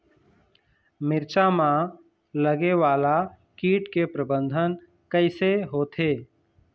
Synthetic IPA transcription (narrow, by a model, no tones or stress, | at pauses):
mɪɾt͡ʃamã | ləɡeʋaːla | kiːʈkepɾəbə̃nd̪ʱən | kəɪseɦoːt̪ʰeː